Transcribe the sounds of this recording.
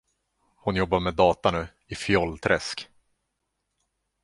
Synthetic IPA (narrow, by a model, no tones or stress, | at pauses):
hʊnjɔbːaɾmɛd̪ɑːt̪anʉ̟ː | ɪfɪɔlːt̪ʰɾɛsk